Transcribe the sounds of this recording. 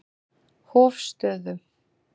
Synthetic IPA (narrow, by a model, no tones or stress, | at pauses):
hɔːfst̪œːðʏ